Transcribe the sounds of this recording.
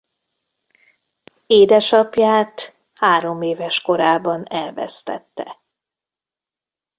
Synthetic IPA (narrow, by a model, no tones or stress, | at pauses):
eːd̪ɛʃɒpjaːt̪ | haːɾo̞meːvɛʃko̞ɾaːbɒnɛlvɛ̰st̪ɛ̰t̪ːɛ